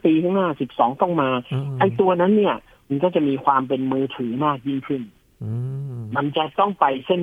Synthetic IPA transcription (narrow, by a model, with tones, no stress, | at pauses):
piː˧t̪ʰa˥˩ŋnaː˥˩si˨˩p̚sɔː˩˦ŋt̪ɔ˥˩ŋmaː˧ʔa˧˩jt̪u˧ɐna˦˥nːi˥˩ɐ | ma˧nkɔː˥˩t͡ɕa˨˩ʔmiː˧kʰwaː˧mpe˧nmɯː˧t̪ʰɯː˩˦maː˥˩k̚ji˥˩ŋkʰɯ˥˩n | ma˧nt͡ɕa˨˩t̪ɔ˥˩ŋpa˧jse˥˩n